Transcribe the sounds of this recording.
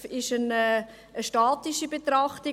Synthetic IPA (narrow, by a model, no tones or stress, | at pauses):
ɪʃənɛː | əʃtɑːtiʃibetɾɑχti